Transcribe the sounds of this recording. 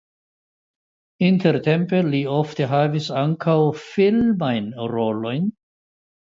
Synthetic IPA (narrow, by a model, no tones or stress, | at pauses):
inteɾte̞mpe̞liofte̞ɦavisaŋkʰawfilmajnɾo̞lo̞jn